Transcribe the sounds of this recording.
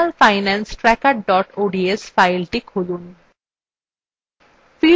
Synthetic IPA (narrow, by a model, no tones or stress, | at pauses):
lfaɪnɛnsʈɾɛkaɾɖɔʈoɖiesfajlʈekɦolun | fi